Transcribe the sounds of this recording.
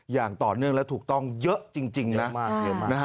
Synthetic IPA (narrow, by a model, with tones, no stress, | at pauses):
jaː˨˩ŋt̪ɔː˨˩nɯ˥əŋlɛ˦˥t̪ʰuː˨˩k̚t̪ɔ˥˩ŋjə˦˥ʔt͡ɕi˧ŋt͡ɕi˧ŋn˧a˦˥˧na˦˥˦